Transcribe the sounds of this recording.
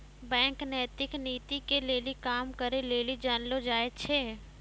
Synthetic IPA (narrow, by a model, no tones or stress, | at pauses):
bɛ̃ːŋknɛːt̪ɪkniːt̪ikeleːlikaːmkəɾeleːlid͡ʒaːnlod͡ʒaːet͡ʃʰeː